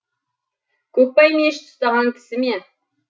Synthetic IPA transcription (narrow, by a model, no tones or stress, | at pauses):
kʲʰɵk̚pɑjmeʃt̪ʰʊ̥st̪ɑʁɑŋkʲʰɪ̥sɪme